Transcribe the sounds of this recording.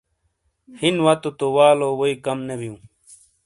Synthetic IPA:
hinwat̪ot̪owaːloːwoikɐmnebijũː

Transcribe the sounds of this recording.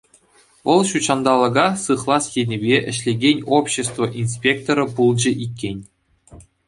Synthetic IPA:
ʋɤ̆lˠɕut͡ɕɑnd̪ɑlˠɤ̆ɡɑsɯχlˠɑsjenʲebʲeʔɘ̆ɕlʲeɡʲenʲopɕːĕst̪voʔinsʲpʲek̚t̪oɾɤ̆pulˠd͡ʑɘ̆ʔikʲːenʲ

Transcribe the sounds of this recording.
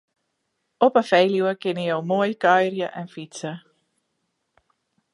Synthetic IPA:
ɔpəfejluwəkɪnijowmoːjkœjrjəʔɛnfitsə

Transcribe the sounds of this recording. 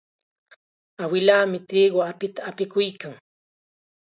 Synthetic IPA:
awɪlaːmɪt̪ɾiːɢoapɪt̪aːpɪkʊjkaŋ

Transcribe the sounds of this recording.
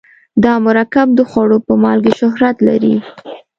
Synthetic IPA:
d̪ɑmʊɾakab̚d̪əxwaɽopəmɑlɡeʃʊɦɾat̪la̰ɾḭ

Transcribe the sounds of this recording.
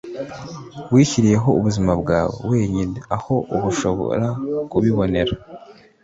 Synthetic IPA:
wiːçiɾije̞ɦo̞uβuzimabɡaːwḛwe̞ːɲineaho̞ʔuβuʃo̞βo̰ɾakuβiβo̞ne̞ɾa

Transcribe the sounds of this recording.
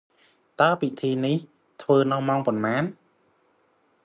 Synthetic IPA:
t̪aəpit̪ʰiːnih | t̪ʰʋəːnɨwmaɔŋpɑnmaːn

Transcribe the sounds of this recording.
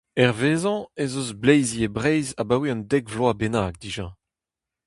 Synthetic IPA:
ɛʁveːzɑ̃ezozblejziebʁɛejzabawiɑ̃ndɛɡvlwabenaːɡ̚d̪iːʒɑ̃

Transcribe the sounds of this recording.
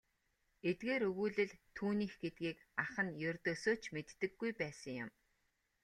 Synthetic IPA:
et̪ɡeːɾɵɣuːɮɘ̆ɮt̪ʰuːniːxɡet̪̚ɡiːkaχə̆njɵrʲt̪osoːt͡ɕmet̪ːɘ̆ɡːujpæːsə̆ŋjʊ̰m

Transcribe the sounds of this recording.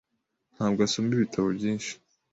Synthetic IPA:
n̥haːbɡasoːmbiβitʰaβobɟiːnʃi̥

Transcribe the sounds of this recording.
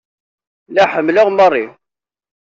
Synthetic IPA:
læħəmləʁmərˤːi

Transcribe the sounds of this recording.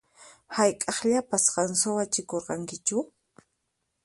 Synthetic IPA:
hajkʼɑχʎapasɢɑnsowat͡ʃɪkoɾqɑŋkɪt͡ʃʊ

